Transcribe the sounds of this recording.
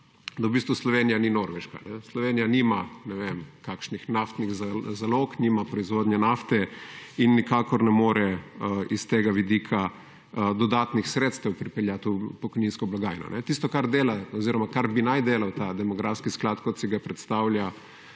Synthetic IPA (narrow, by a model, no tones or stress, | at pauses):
d̪awbiːst̪ʋuslɔʋeːnijaninoɾʋɛʃka̰nɛslɔʋeːnijaniːmanɛʋemkakʃnixnaft̪niɣzzalokniːmapɾɔizʋoːd̪njɛnaft̪ɛinːikaːkɔɾnɛmoːɾɛist̪eːɡaʋid̪ikʰa | d̪ɔd̪aːt̪nixsɾeːt̪st̪ɛwpɾipɛljat̪upɔkɔjninskɔblaɡaːjnɔ̰nʔɛt̪ist̪ɔkaɾd̪eːlaɔziɾɔmakaɾbinajd̪eːlawt̪ad̪ɛmɔɡɾafskisklat̪kɔt̪siɡapɾɛt̪st̪aːwlja